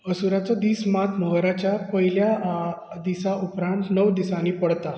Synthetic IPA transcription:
əsuɾat͡sɔd̪iːsmat̪ʰməɦɾat͡ɕjapəɦilja | d̪isaʔupɾãnt̪nəʋd̪isaniːpəɽt̪a

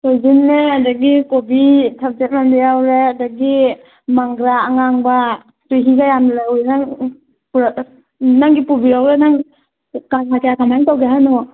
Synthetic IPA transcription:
tojzinːeadaɡikobitʰap̚d͡ʒet̚landijawɾeadaɡi | maŋɡɾaːŋaŋba | tujɦiɡajamlawinaŋ | p | naŋɡipubiɾawɾenaŋ | kamakʰejakamajŋtawɡeɦanɔ

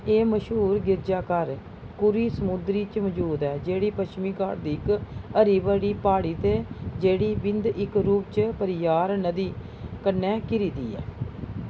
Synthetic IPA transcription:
eːməʃɦuːɾɡɪɾd͡ʒaːkəɾ | kʊɾiːsəmʊd̪ɾiːt͡ʃməd͡ʒuːd̪ɛːd͡ʒeːɽiːpəʃmiːka̰ɾd̪iːɪkəɾiːbəɽiːpaːɽiːt̪eːd͡ʒeːɽiːbɪnd̪ʔɪkɾuːp̚t͡ʃpəɾɪjaːɾnəd̪iː | kənɛ̃ːkɪɾiːt̪ḭːɛ̰ː

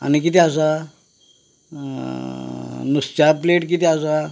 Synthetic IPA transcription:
a̰ñikit̪eas̬a | nust͡ɕapleʈkit̪easa

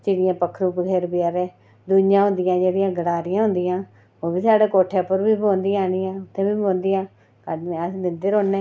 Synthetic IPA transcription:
t͡ʃɪɽɪjãːpəkʰɾuːpɡʱeːɾbɪjaːɾeː | d̪ʊnɪjãːɦʊ̃nd̪ɪjãːd͡ʒeːɽijãːɡəɽaːɾɪjãːɦʊ̃nd̪ɪjãː | oːbiːsaːɽeːkoːʈʰeːpəɾbiːbõːnd̪iãːɽijãːʊt̪ʰːẽːbiːbõːnd̪ɪjãː | kaɖneasnɪnd̪eɾoːnːeː

